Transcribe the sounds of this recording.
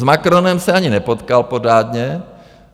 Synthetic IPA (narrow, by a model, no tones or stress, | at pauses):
zmakɾo̞nɛmsɛaɲɪnɛpot̪kalpo̞ɾaːd̪ɲɛ